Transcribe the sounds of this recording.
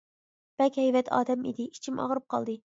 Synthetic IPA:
b̥ɛkʲhɛjvɛt̪ʰɑ̰ːd̪ɛmḭd̪ɪi̥t͡ʃʰimʔɑ̰ʁɾɨp̚qʰɑ̰lˠd̪ɨ

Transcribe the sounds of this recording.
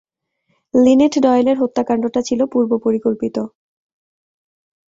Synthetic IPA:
lineʈɖɔeeleɾɦot̪ːakaɳɖoʈat͡ɕʰilopuɾbopoɾikolpit̪o

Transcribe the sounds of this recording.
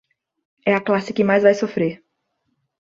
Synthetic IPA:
ɛɐklasɪkɪmajzvajsofɾeɾ

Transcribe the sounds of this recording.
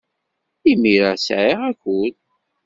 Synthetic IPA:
imiɾasʕiʁækːʊl

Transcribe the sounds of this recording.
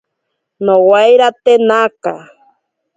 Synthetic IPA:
nowajɾat̪enaka̰

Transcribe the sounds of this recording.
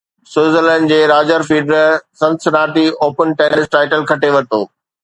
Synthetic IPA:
sʊːzələ̃ːnɖd͡ʑeːɾaːd͡ʑəɾfiːɖɾsɐ̃nsnaːʈioːpənʈeːnɪsʈaːɪʈəlkʰɐʈeʋɐt̪oː

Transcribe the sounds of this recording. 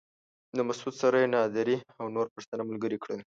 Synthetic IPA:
d̪əmasud̪saɾajenɑd̪aɾiawnoɾpəʂt̪ənamalɡəɾikɽel

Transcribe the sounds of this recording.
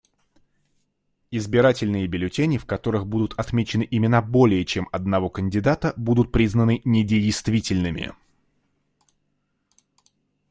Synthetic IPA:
ɪzbʲɪɾatʲɪlʲnɨjəbʲɪlʲʊtʲenʲɪfkɐt̪o̞ɾɨxbud̪ʊt̪ʰɐt̪mʲet͡ɕɪnɨʔɪmʲɪnabo̞lʲɪjət͡ɕemɐd̪nɐvo̞kənʲdʲɪd̪at̪əbud̪ʊt̪̚pɾʲiznənɨnʲɪdʲɪjst̪vʲitʲɪlʲnɨmʲɪ̰

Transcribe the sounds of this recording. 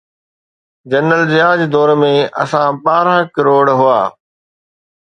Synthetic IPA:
d͡ʑɐnːəlzɪjaːd͡ʑd̪ɔːɾmẽʔɐ̰sãɓaːɾkɪɾoːɽɦʊa̰ː

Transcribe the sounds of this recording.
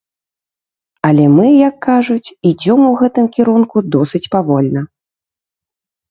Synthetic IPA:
ɐlʲɛmɨjɐkːaʐut͡sʲid͡zʲɔmuɣɛt̪ɨmkʲiɾunkud̪ɔsɨt͡sʲpavɔlʲnɐ

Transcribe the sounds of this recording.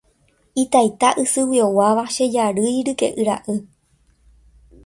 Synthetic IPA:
it̪ajt̪aʔɨsɨwio̞waʋaʃe̞d͡ʒaɾɨjɾɨke̞̰ʔɨɾa̰ʔɨ

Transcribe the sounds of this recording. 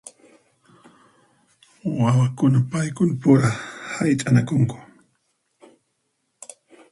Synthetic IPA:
wawakʊnapajkʊnpʊɾahajt̪ʼanakʊŋkʊ̥

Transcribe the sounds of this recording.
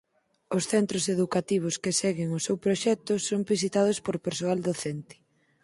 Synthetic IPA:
osθɛnt̪ɾoseðukat̪iβ̞oskesɛɣeŋʊsewpɾoʃɛk̚t̪ʊsoŋbisit̪að̞ospoɾpeɾsoald̪oθɛnt̪ɪ̥

